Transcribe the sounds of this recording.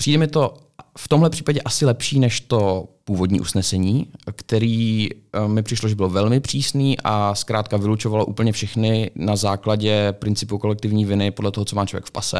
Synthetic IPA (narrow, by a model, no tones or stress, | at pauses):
pr̥iːdɛmɪt̪o | ft̪omɦlɛpr̝̥iːpaɟɛʔasɪlɛpʃiːnɛʃt̪o̞puːvo̞dɲḭːʔusnɛsɛɲiːkt̪ɛɾiː | mɪpr̥ɪʃloʒɛbɪlovɛlmɪpr̝̥iːsniːʔaskɾaːt̪kavɪlut͡ʃovaloʔuːpl̩ɲɛfʃɛxnɪnazaːklaɟɛpɾɪnt͡sɪpuko̞lɛk̚t̪ɪvɲiːvɪnɪpodlɛt̪oɦot͡somaːt͡ʃlovjɛkfpa̰sɛ̰